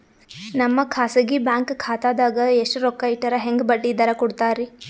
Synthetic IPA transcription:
nɐmːɐkʰaːsɐɡibaːŋkkʰaːt̪aːd̪aːɡɐeʂʈuɾokːɐjʈɐɾɐɦeŋɡbɐɖːid̪ɐɾɐkuɽt̪aːɾi

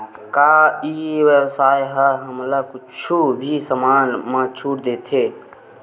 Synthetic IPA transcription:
kaiwəwsaːjɦaɦəmlakʊt͡ʃʰubʱisəmaːnmət͡ʃʰuɾd̪eːt̪ʰe

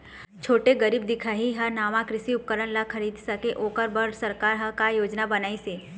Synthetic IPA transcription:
t͡ʃʰoːʈeɡəɾiːb̚d̪ɪkʰaːɦiɦɐnaːʋãkɾɪsiʊp̚kəɾənlakʰɐɾiːd̪sɐkeʔoːkəɾbəɾsɐɾkaːɾɦɐkajoːd͡ʒnabɐnaːiseː

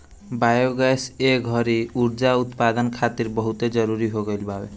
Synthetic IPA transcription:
bajoɡaseɡʱʌɾiuɾd͡ʒaut̪pad̪ənkʰat̪iɾbɔɦut̪ed͡ʒʌɾuɾiɦoɡojlbabe

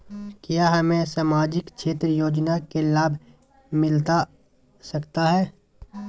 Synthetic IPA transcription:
kjaːɦɐmẽsaːmaːd͡ʒɪkʃʰeːt̪ɾəjoːd͡ʒnakelaːbʱ | mɪlt̪a | sɐkt̪aɦɛː

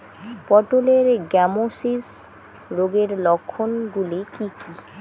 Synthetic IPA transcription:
pɔʈoleɾɡɛmosis | ɾoɡeɾlɔkʰːonɡulikiki

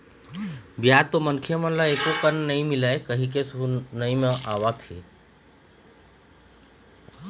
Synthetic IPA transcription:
bjaːt̪ːomənkʰjəmə̃laeːkokənːɐĩmilaːekəɦĩkesuunəĩmẽʔaːʋat̪ʰḛ

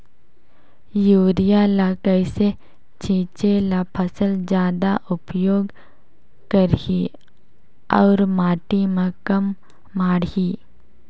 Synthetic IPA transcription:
juːɾijalakəɪse | t͡ʃʰĩːt͡ʃelapʰəsəld͡ʒjaːd̪aʔʊpjoːɡ | kəɾhi | ɔːɾmaːʈimẽkɐmː | aːɽɦiː

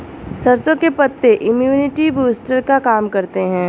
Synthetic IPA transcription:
sɐɾsõkepɐt̪ːeʔɪmjuːnɪʈibuːsʈəɾkakaːmkɐɾt̪eɦɛ̃ː

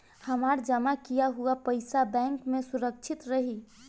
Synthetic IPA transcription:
həmaɾd͡ʒəmakijaɦuapəɪsabɛ̃ːŋkmẽsuɾək̚t͡ʃʰɪt̪ɾəɦi

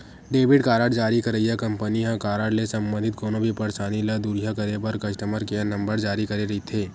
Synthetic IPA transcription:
ɖeːbɪɽkaːɾaːɖd͡ʒaːɾikɐɾɐiɦɛkɐ̃mpəniɦãkaːɾaːɖlesɐ̃mbə̃nd̪ʱɪt̪̚koːnõbʱipɐɾʃaːnilɐd̪uɾijakɐɾebɐɾkɐʃʈəməɾkenɐ̃mbəɾd͡ʒaːɾikɐɾeɾɐit̪ʰeː

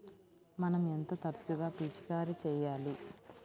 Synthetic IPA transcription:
mɐnɐment̪ɐt̪ɐɾt͡ʃ̪uɡaːpiːt͡ʃi̥kaːɾit͡ʃɛːjaːli

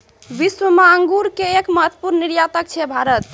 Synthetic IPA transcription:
ʋisʋəmaəŋɡuɾkeekməɦət̪ːpuɾnniɾjat̪ək̚t͡ʃʰɛbʱaɾət̪

